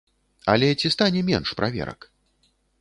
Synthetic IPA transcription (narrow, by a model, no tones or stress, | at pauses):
a̰lʲɛt͡sʲist̪anʲɛmʲɛnʂpɾʔavʲɛ̰ɾɐ̰k